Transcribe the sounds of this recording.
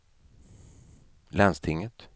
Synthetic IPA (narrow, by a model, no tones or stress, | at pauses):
lɛnst̪ʰɪŋːət̪